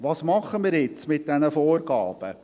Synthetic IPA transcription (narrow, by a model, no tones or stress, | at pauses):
ʋɑːsmɑχːəmiːɾjɪt͡smɪt̚d̥ɛnəfɔːrɡ̥ɑ̰ːb̥ə̰